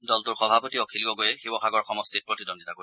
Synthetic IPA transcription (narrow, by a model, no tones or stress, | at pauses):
dɔltʊɹxɔbʱapɔtiɔkʰiliɡɔɡojɛxibɔxʰaɡɔɹxɔmɔstʰit̚pɹotidondʱitako